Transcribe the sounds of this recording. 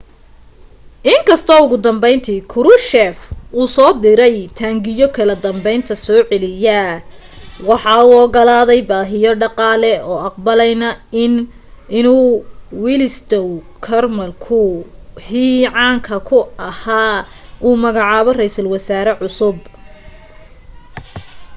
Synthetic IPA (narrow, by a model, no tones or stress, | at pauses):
ʔɪŋkʰɐst̪ʰɔːʊɣʊd̪ɐmbɛjnt̪ʰiːkʰʊɾʊʃɛfuːsɔːd̪ɪɾɛjt̪ʰaːŋɡɪjɔkʰɐlɐd̪ɐmbɛjnt̪ʰɐsɔːʕɛlɪja | wɑħɑːuɔɡɐlaːðɛjbaːɦɪjɔɖɑqɑːlɛɔːɑq̚bɐlɛjnɐɪn | ʔɪnuːwilɪst̪ʰɔw | kʰɐrmɐlkʰʊhiːʕɑːŋkʰɐkʰʊɐhaː | ʔuːmɐɣɑʕɑːβɔrɛjsɐlwɐsaːɾɛʕʊsʊb